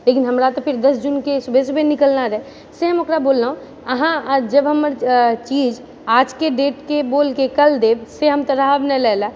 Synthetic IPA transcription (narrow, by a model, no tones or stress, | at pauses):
lekinɦəmɾat̪opʰɪɾd̪əsd͡ʒunkesubʱesbenikəlnaɾɛe | seɦəmokɾaboːlːaũ | əɦãd͡ʒəbɦəməɾt͡ʃiːd͡ʒ | aːd͡ʒkeɖeːʈkeboːlkekəld̪ebseɦəmt̪əɾaɦəbnɛlɛla